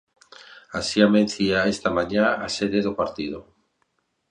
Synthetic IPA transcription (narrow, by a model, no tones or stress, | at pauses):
asiamenθiaest̪amaɲaːse̞ðe̞ðopaɾt̪ið̞o